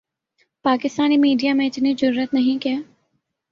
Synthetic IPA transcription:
paːkɪst̪aːnimiːɖijamẽɪt̪ned͡ʒʊɾuːɾət̪nɐɦĩkijaː

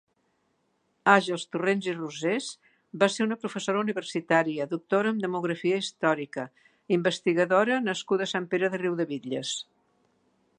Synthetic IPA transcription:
aʒəlˠst̪urenziruzez | baseɾunəpɾufəsoɾəuniβərsit̪aɾiəðuk̚t̪oɾəːmd̪əmuɣɾəfiəist̪ɔɾikə | imbəst̪iɣəðoɾənəskuðəsampeɾəðəriwðəβiʎəs

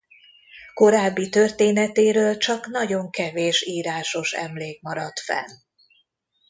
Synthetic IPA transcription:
ko̞ɾaːbːit̪ørt̪eːnɛt̪eːɾøːlt͡ʃɒkn̪ɒɟo̞ŋkɛveːʃiːɾaːʃo̞ʃɛ̰mleːk̚mɒɾɒt̪fɛ̰l

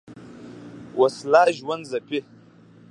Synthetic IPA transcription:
wʔaslaʒwanzape

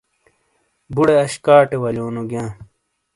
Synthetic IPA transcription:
buɽeɐɕkaːʈewɐljoːnuɡjãː

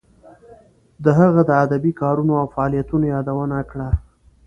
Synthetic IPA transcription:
d̪əɦaɣad̪əad̪abikɑɾunoawfaɑlijat̪unojɑd̪awənakɽa

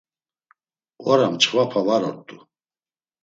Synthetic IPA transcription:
waɾamt͡ʃʰʼvapʰavaɾɔ̰ɾt̪ʼu

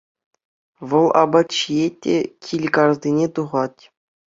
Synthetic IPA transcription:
ʋɤ̆lˠɑbɑt̪t͡ɕijetʲːḛkʲʰilʲkɑrzʲinʲet̪uʁɑtʲ

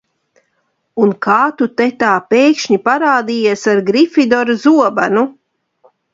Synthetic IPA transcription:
unkʰaːt̪ut̪ɛt̪aːpeːkʃɲipaɾaːd̪ijeɛsaɾɡɾifid̪ɔɾazuɔbanu

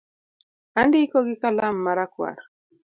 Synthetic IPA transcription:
andikoɡɪkalamːaɾakwa̰ɾ

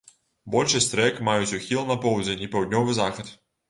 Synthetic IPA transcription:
bɔlʲʂɛsʲt̪ɾɛkmajut͡sʲuxʲilˠnɐpɔwd͡zʲɛnʲipɐwd̪ʲnʲɔvɨzaxɐt̪

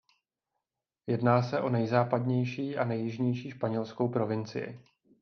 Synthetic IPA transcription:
jɛdnaːsɛʔo̞nɛjzaːpadɲɛjʃiːʔanɛjːɪʒɲɛjʃiːʃpaɲɛlsko̞wpɾo̞vɪnt͡sɪ̰jɪ̰

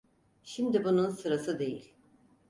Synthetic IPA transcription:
ʃimd̪ibununsɯɾasɯd̪e̞jḭlʲ

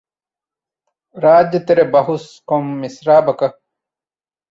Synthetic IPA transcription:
ɾaːd͡ʒjɐt̪eɾebɐɦus | komːisɾaːbɐkɐ

